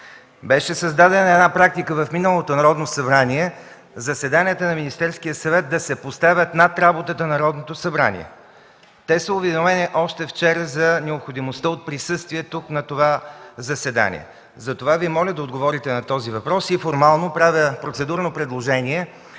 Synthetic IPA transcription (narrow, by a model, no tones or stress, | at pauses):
bɛʃɛsɐzd̪ad̪ɛnɐɛd̪napɾak̚t̪ikəvɐfminəlˠot̪onɐɾɔd̪nosɐbɾaniɛ | zɐsɛd̪aniət̪ənɐminist̪ɛɾskijəsɐvɛt̪̚d̪ɐsɛpost̪avʲət̪nat̪ɾabot̪ət̪ənɐɾɔd̪not̪osɐbɾa̰nḭɛ̰ | t̪ɛsəʊvɛd̪ovɛniʔɔʃt̪ɛft͡ʃɛɾəzɐnɛopxod̪imost̪əot̪̚pɾisɤst̪viɛt̪uknɐt̪ovazɐsɛd̪a̰nʲḭɛ̰ | zɐt̪ovaviɛmɔlʲəd̪ɐod̪ɡovɔɾit̪ɛnɐt̪ɔzivɐpɾɔsifoɾmalˠnopɾavʲjəpɾot̪sɛd̪uɾnopɾɛd̪lˠoʒɛniɛ